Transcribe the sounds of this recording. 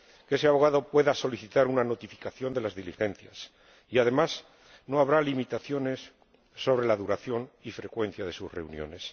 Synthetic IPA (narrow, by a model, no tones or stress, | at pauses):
keese̞aβo̞ɣ̞aðo̞pwe̞ðaso̞liθit̪aɾunano̞t̪ifi̥kaθjo̞nd̪e̞lazðilixe̞n̟θjas | iaðe̞mas | no̞aβɾalimit̪aθjo̞ne̞sː | o̞β̞ɾe̞laðuɾaθjo̞nifɾe̞kwe̞n̟θjaðe̞susre̞̰unjo̞̰ne̞s